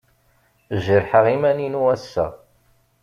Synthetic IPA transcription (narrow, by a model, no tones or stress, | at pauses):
ʒəɾħəʁimæninuæsːæ̰